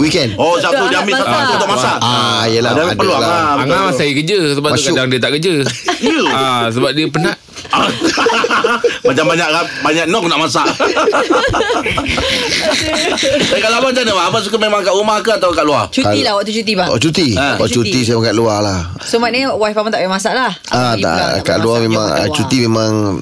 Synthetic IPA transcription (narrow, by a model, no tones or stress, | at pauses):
wikɛnɔsat̪udiamisaat̪udɔʔmasaajəladaadpəluaaaamasajəkəd͡ʒəsəbaʔtakədaŋdiət̪aʔkəd͡ʒəəas̬əbap̚diəpənaʔ | a | mad͡ʒambaɲaʔɣabaɲaʔnɔk̚naʔmasaʔ | saikalaabat̪anəwaabas̬ukamemãŋkaʔumahkaat̪awakaʔluat͡ʃukailawaʔt̪̬ut͡ʃut̪ibawa̰ʔt͡ʃut̪iwa̰ʔt͡ʃut̪isajmakaʔ̪lualah | sumat̪̚niʔwaipamat̪aʔkamasaʔlah | at̪a̰ʔka̰ʔluamemaŋa̰t͡ʃut̪imemaŋ